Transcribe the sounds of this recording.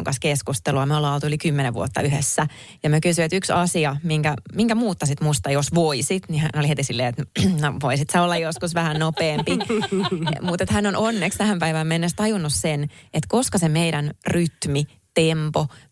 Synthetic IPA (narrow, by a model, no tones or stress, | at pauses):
ŋkɑskeskust̪eluɑmolɑlt̪uylikymːeneʋʋṵot̪ːɑyhḛsːæ | jɑmyøkysyet̪yksɑsiɑmiŋkæmiŋkæmuːt̪ːɑsit̪must̪ɑjosʋoisit̪nihæ̰nolihet̪isilːeːet̪noʋoisit̪sæolːɑjoskusʋæhænnopeːmpi | mut̪et̪hænːononːekst̪æhæmpæiʋæmenːest̪ɑjunːussenet̪koskɑsemeiɾænryt̪mi | t̪empo